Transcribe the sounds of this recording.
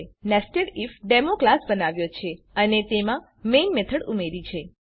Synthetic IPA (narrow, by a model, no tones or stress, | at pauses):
nɛsʈeɖifɖemoklasbənaʋjot͡ʃʰe | ənet̪emã | menmet̪ʰəɽumeɾit͡ʃʰe